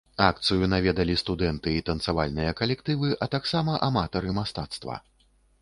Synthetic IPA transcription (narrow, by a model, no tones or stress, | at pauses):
ak̚t̪sɨjunavʲɛd̪ɐlʲist̪ud̪ɛnt̪ɨit̪ɐnt̪savalʲnɨjɐkɐlʲɛkt̪ɨvɨʔɐt̪aksamɐʔamat̪ɐɾɨmast̪at̪st̪vɐ̰